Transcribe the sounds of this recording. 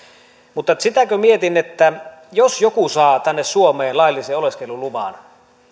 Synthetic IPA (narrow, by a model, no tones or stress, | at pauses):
mut̪ːɑsit̪ækømiet̪inːet̪ːæjosjokusɑːt̪ænːessuomeːnlɑilːiseːoleskeluluʋɑ̰ːn